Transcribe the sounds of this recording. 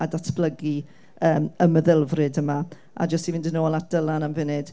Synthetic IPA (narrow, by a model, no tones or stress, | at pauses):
adatʰb̥lˠəɡi | əːməməðɪlˠvrɨdəma | ʔa̰d͡ʒəstivɨndənoːlˠat̚d̥əlˠanamvɪnɨd̥